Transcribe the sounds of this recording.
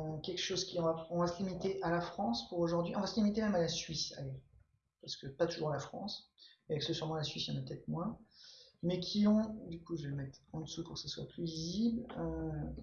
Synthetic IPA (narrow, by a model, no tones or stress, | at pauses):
kʲɛlkʃozkʲiɔ̃vaɔ̃vasəlimit̪eʔalafχɑ̃spuʁoʒuʁd̪ɥiʔɔ̃vasəlimit̪emɛmalasɥisa̰le | paʁsə̥kəpat̪uʒuʁalafχɑ̰̃s | eavɛksəsyʁmɑ̃lasɥisjɑ̰̃napət̪ɛt̪χmwɛ̃ | mɛkʲʰiɔ̃d̪ykuʒeləmɛt̪χɑ̃d̪əsupuʁkə̥saswa̰plyviziblø